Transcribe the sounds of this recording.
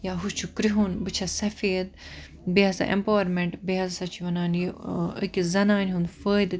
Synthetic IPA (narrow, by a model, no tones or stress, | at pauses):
jaːɦut͡ʃʰukɾiɦunbɨt͡ʃʰɐsɐfeːd̪̚ | biɐsa̰ʔḛmpaːwɐɾmeɳʈbiɦɐzsɐt͡ʃʰiʋɐnaːnjiə̰kizɐnaːnʲɦũnd̪fəːjd̪ɨ